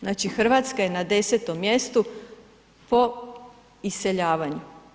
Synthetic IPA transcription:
znaːt͡ʃixr̩ʋaːt̪skaje̞nad̪e̞set̪o̞mːje̞st̪u | po̞ | ise̞ʎaːʋaɲu

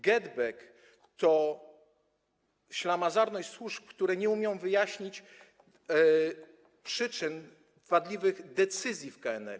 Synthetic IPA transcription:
ɡɛd̪bɛk | t̪ɔ | ɕlamazaɾnɔɕswuʂp̚kt̪uɾɛɲɛumʲjɔ̃w̃vɘjaɕɲit͡ɕ | pʂɘt͡ʂɘn | vad̪lʲivɘɣd̪ɛt̪sɘzʲjifkaɛnɛ̰

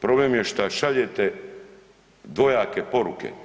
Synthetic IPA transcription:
pɾo̞blemjeʃt̪aʃaʎet̪e | d̪ʋo̞jaːkepo̞ɾukḛ

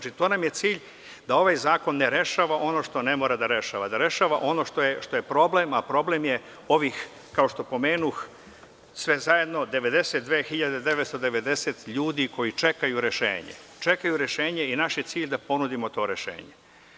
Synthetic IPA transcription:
t͡ʃit̪oːnamje̞t̪siːʎ | d̪ao̞ʋajzaːko̞nːeɾe̞ʃaːʋaʔo̞no̞ːʃt̪o̞ne̞mo̞ːɾad̪aɾe̞ʃa̰ːʋad̪aɾe̞ʃaːʋaʔo̞no̞ʃt̪ojeʃt̪o̞je̞pɾo̞blemapɾo̞blemje̞ | o̞ʋix | kao̞ʃt̪o̞po̞me̞ːnux | sʋe̞zaje̞d̪no̞d̪e̞ʋe̞d̪e̞set̪̚d̪ʋeːxiʎad̪ed̪eʋet̪st̪od̪e̞ʋe̞d̪e̞set̪ʎuːd̪iko̞jit͡ʂe̞kajuɾe̞ʃḛːɲḛt͡ʃekajuɾe̞ʃe̞ːɲe̞inaʃjet̪siːʎd̪apo̞nud̪imo̞t̪o̞ːɾe̞ʃḛːɲe

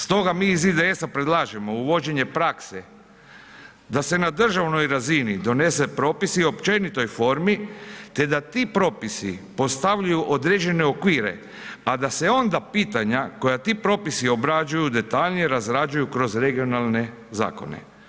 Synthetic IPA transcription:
st̪o̞ɡamiːzid̪eesapɾe̞d̪lˠaːʒemo̞uʋo̞d͡ʑe̞ɲe̞pɾakse | d̪ase̞nad̪r̩ʒaʋno̞jɾazinid̪o̞ne̞se̞pɾo̞ːpisio̞pt͡ʃe̞nit̪o̞jfo̞ɾmit̪e̞d̪at̪iːpɾo̞ːpisipo̞st̪aʋʎajuʔod̪ɾe̞d͡ʑe̞ne̞o̞kʋiːɾe̞̰ | ad̪ase̞o̞nd̪apiːt̪aɲako̞jat̪iːpɾo̞ːpisio̞bɾad͡ʒujud̪e̞t̪aʎnijeɾazɾad͡ʒujukɾo̞zɾe̞ɡio̞nalˠne̞ | za̰ːko̞̰ne̞̰

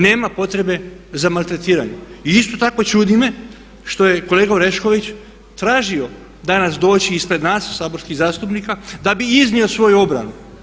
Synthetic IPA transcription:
ne̞ːmapo̞t̪ɾe̞be̞zamalˠt̪ɾe̞t̪iːɾaɲeiist̪o̞t̪ako̞t͡ʃud̪ime̞ | ʃt̪o̞je̞ko̞leːɡaoɾe̞ʃko̞ʋit͡ɕ | t̪ɾaːʒio̞ | d̪anasd̪o̞ːt͡ɕiːspɾe̞d̪naːssaːbo̞ɾskiɣzaːst̪upnikad̪abiiznio̞sʋo̞juo̞bɾa̰nu

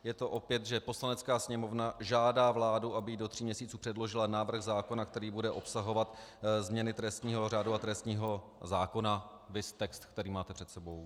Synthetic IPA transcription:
jɛt̪o̞ʔo̞pjɛt̪ʒɛpo̞slanɛt͡skaːsɲɛmo̞vnaʒaːdaːvlaːduʔabɪjido̞t̪r̝iːmɲɛsiːt͡suːpr̥ɛdlo̞ʒɪlanaːvr̩ɣzaːko̞nakt̪ɛɾiːbudɛʔo̞psaɦo̞vat̪zmɲɛnɪt̪ɾɛst̪ɲiːɦo̞raːduat̪ɾɛst̪ɲiːɦo̞ | zaːko̞na | vɪst̪ɛkst̪kt̪ɛɾiːmaːt̪ɛpr̥ɛt̪sɛbo̞w

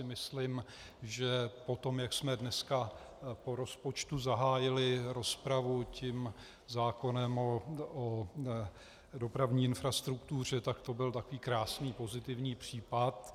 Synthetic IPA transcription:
ɪmɪslɪm | ʒɛpo̞t̪o̞mjaksmɛdnɛska | po̞ɾo̞spo̞t͡ʃt̪uzaɦaːjɪlɪɾo̞spɾavucɪm | zaːko̞nɛmoʔo | do̞pɾavɲiːɪnfɾast̪ɾukt̪ur̝ɛt̪akt̪o̞bɪlt̪akoviːkɾaːsniːpo̞zɪt̪ɪvɲiːpr̝̥iːpat̪

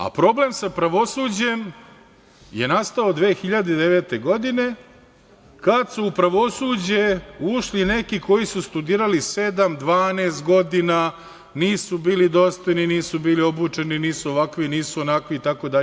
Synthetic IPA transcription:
a̰pɾo̞ble̞msapɾaʋo̞suːd͡ʑe̞m | je̞nast̪ao̞d̪ʋe̞ːxiʎad̪ed̪eʋeːt̪e̞ɡo̞d̪ine̞ | kad̪suːpɾaʋo̞sud͡ʑe̞uʃline̞kiko̞jisust̪ud̪iːɾalise̞d̪amd̪ʋaːneːst̪̚ɡo̞d̪ina | niːsubiːlid̪o̞st̪ojniniːsubiːlio̞but͡ʂe̞niniːsuoʋakʋiniːsuonakʋiːt̪ako̞d̪aʎ

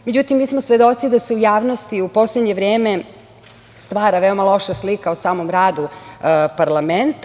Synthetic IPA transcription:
med͡ʑut̪imːiːsmosʋe̞d̪o̞t̪sid̪aseujaːʋnost̪iupo̞sled̪ɲe̞ʋɾeːme̞ | st̪ʋaːɾaʋe̞omalˠo̞ʃaslikaosaːmo̞mɾaːd̪upaɾlament̪

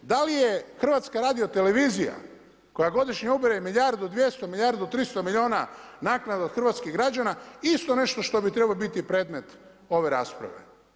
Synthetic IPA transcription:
d̪alijexr̩ʋat̪skaɾaːd̪iot̪ele̞ʋizija̰ | ko̞jaɡo̞d̪iʃɲeubiɾajemiʎʲaɾd̪ud̪ʋje̞st̪omiʎʲaɾd̪ot̪ɾist̪o̞miʎio̞ːnanaːknad̪od̪xr̩ʋat̪skiɣɡɾad͡ʒanaist̪o̞ne̞ʃt̪o̞ʃt̪o̞bit̪ɾebalobit̪ipɾe̞ːd̪me̞t̪ | o̞ʋe̞ɾa̰ːspɾa̰ʋe̞̰

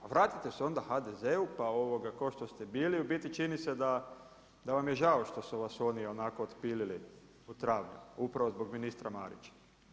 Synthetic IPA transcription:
ʋɾaːt̪it̪e̞seo̞nd̪axad̪e̞zeupao̞ʋo̞ɡakoʃt̪o̞st̪ebiːliubit̪it͡ʃinised̪a | d̪aʋamjeʒao̞ʃt̪o̞suʋaso̞ːnio̞nako̞ːt̪piːlili | ut̪ɾaːʋɲṵmaupɾaʋo̞zbo̞ɡminist̪ɾamaːɾḭt͡ʃḁ

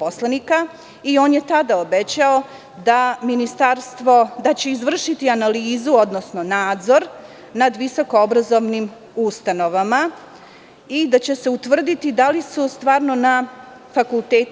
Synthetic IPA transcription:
poslanika | io̞ːnjet̪ad̪aobet͡ɕao̞ | d̪aminist̪aɾst̪ʋo̞d̪at͡ɕe̞izʋr̩ʃit̪ianaliːzuod̪no̞sno̞naːd̪zo̞ɾ | nad̪ʋiso̞ko̞obɾazo̞ʋnim | ust̪ano̞ʋama | id̪at͡ɕe̞se̞ut̪ʋr̩d̪it̪id̪alisust̪ʋaːɾno̞na | fakulˠt̪eːt̪

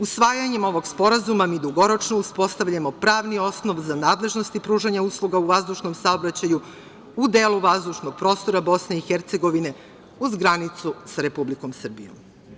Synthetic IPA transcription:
usʋaːjaɲe̞mo̞ʋo̞ɡspo̞ɾazumamiːd̪uɡo̞ɾo̞t͡ʃnouspo̞st̪aʋʎamo̞pɾaːʋnio̞sno̞ʋzanaːd̪lˠe̞ʒno̞st̪ipɾuːʒaɲauslˠuɡauʋazd̪uʃno̞msaobɾat͡ɕaju | ud̪eːluʋazd̪uʃno̞ɡ̥̚pɾo̞ːst̪o̞ɾabo̞sne̞ixeɾt̪se̞ɡo̞ʋine̞ | uzɡɾanit̪susaɾe̞publiko̞msr̩bḭjo̰m

